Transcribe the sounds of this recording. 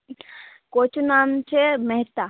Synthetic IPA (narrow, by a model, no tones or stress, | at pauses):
kot͡ʃʰunaːmt͡ʃʰemeɦt̪a